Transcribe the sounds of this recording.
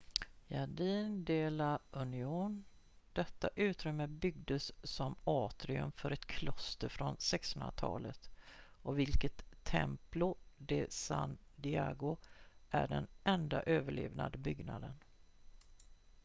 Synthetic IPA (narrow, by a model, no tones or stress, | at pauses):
jaɖiːnd̪eːlaɵnɪuːn | d̪̥ɛt̪ːaʔʉ̟ːt̪ɾʏmːəbʏɡ̚d̪əsːɔmɑːt̪ɾɪɵ̰mfœɾɛt̪kʰlɔst̪əɾfɾɔnsɛksɵnat̪ʰɑ̰ːlət̪ɔvɪlkət̪ʰːɛ̰mplʊd̪ɛsa̰nd̪ɪaɡʊʔæɖɛnʔɛnd̪a̰ʔøːvəɭḛːvna̰d̪əbʏɡna̰d̪ən